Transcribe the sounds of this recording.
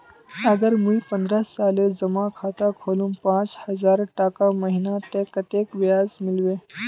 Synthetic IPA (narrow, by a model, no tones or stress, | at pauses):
əɡəɾmũipə̃nd̪ɾasaːled͡zəmãkʰaːt̪akʰoːlũmpãt͡shəzaːɾʈaːkaməɦinat̪ekət̪ekʋjaːzmɪlʋe